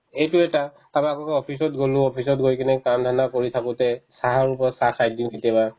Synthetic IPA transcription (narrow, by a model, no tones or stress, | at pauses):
ejtʊɛta | tamakɔkɔɔpʰisɔtɡolʊ̃ɔpʰis̬ɔtɡojkinɛkamdʰʱanakoɹitʰakʊ̃tɛsaɦaɹupɔɹɔtsakajdĩnetiɛba